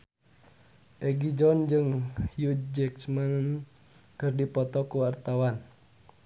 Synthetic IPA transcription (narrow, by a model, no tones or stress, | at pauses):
ʔɛɡid͡ʒɔnd͡ʒɨŋjut̪̚d͡ʒɛkt͡ʃman | kɨrdipɔt̪ɔkuwart̪awan